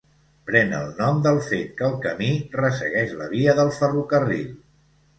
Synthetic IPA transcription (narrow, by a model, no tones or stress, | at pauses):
pɾɛnə̰lˠnɔmd̪əlˠfet̪̚kəːlˠkəmirəsə̰ɣɛʃlə̰βiəðəlˠfərukərḭʎ